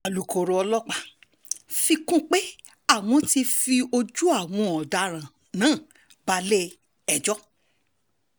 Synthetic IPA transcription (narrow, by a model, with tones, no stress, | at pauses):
a˨lu˨ko˨ɾo˧ɔ˧lɔ˦k͡pa˧ | fi˧kũ˦˨k͡pe˦ | a˦˨w̃ɔ̃˧ti˧fi˧o˧d͡ʒu˦a˦˨w̃ɔ̃˧ɔ˨da˨ɾ̃ã˨ | nãː˨˦˨ | ba˧le˦ | ɛ˦˨d͡ʒɔ˦